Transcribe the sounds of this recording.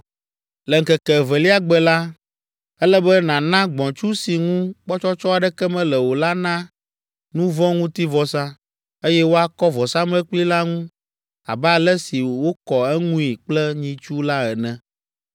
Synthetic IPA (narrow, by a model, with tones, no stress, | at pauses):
lɛ˨ŋ̩˨kɛ˨kɛ˨vɛ˨li˦a˦ɡ͡bɛ˦la˦ | ɛ˦lɛ˦bɛ˦nã˨nã˦ɡ͡bɔ̃˨t͡ʃu˦si˨ŋũ˦k͡pɔ˦t͡ʃɔ˦t͡ʃɔ˦a˨ɖɛ˦kɛ˦mɛ̃˦lɛ˨wo˨la˦nã˦ | nũ˦vɔ̃˦ŋũ˦t̪i˦vɔ˨sã˦ | e˦jɛ˦wo˦a˦kɔ˦vɔ˨sã˦mɛ̃˦k͡pli˦la˦ŋũ˦ | a̰˨bɛ˦a˨lɛ˦si˨wo˦kɔ˨ɛ˦ŋũ˦i˨k͡plɛ˦ɲĩ˦t͡ʃu˦la˦ɛ˨nɛ̃˨